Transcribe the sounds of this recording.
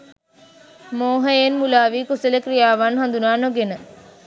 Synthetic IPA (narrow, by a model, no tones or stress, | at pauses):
moːɦəjenmulaːʋiːkusələkrijaːʋanɦand̪unaːnoɡenə